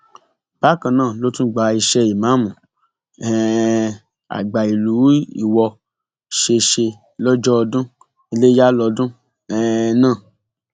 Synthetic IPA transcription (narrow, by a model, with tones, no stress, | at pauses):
b̥a˦˨kã˧nãː˦˨lo˦tũ˦ɡ͡ba˨˦i˧ʃɛ˧i˨mã˨˦˨mũ˨ | ɛ˦ | a̰˨ɡ͡ba˨i˨lu˨˦ḭ˦˨wɔ˧ | ʃe˧ʃe˧ | lɔ˦d͡ʒɔ˦ɔ˧dũ˦ | i˧le˦ja˦lɔ˧dũ˦ | ɛ˦nãː˦˨